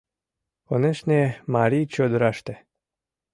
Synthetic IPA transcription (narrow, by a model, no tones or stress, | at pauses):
oneʃnʲemaɾijt͡ɕod̪ɾɑʃt̪e